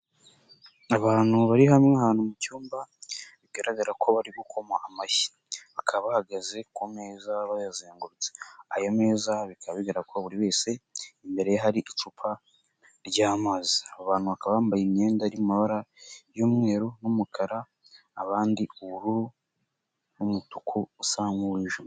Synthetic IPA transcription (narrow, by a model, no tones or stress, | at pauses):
aβaːn̥huβaɾihamŋehaːn̥humucuːmbaβiɡaɾaɡaɾakʰo̞βaɾiɡukʰo̞maʔamaʃi̥ | βakʰaβahaɡaze̞kwomeːzaβajazeːŋɡuɾut͡se̥ajome̞ːzaβikʰaββiɡaɾakoβuɾiβe̞ːse̞imbe̞ɾe̞jaɦaɾiʔit͡ʃupʰa | ɾɟaːmaːziaaβaːn̥huβakaβaaːmbajimɲeːndaɾimumaβaɾajoːmŋe̞ːɾonumukʰaɾaː | βaːndiuuɾu | numutu̥kʰuusamɡuwiʒu